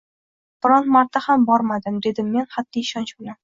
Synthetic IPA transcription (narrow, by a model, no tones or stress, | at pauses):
b̥ɪɾɒnt̪maɾt̪ʰːahambɒɾmad̪ɪmd̪e̞d̪ɪmːe̞nχad̪ːiɪʃɒnt͡ʃbolan